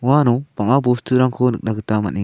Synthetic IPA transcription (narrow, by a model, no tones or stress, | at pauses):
uanɔb̥aŋabostʰuɾaŋkʰɔnɯk̚naɡɯt̪ama̰nni